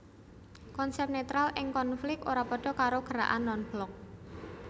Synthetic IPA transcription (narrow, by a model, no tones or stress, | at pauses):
kɔnsɛp̚net̪ɾalɪŋkɔnflɪk̚oɾapɔɖ̥ɔ̤kaɾoɡ̥əɾa̰ʔanːɔnb̥lɔk̚